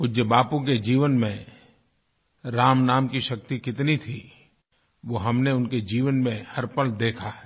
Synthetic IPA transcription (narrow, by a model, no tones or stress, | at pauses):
ʊd͡ʒəbaːpõk̬ed͡ʒiːʋənmẽ | ɾaːmnaːmkiʃɐk̚t̪ikɪt̪nit̪ʰi | ʋoːɦɐmneʊnked͡ʒiːʋənmẽhɐɾpəld̪eːkʰaɦɛː